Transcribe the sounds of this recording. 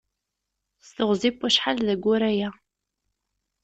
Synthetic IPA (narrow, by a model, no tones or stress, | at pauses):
sθəʁzˤipːæʃħalðæɡʷːʊɾæjæ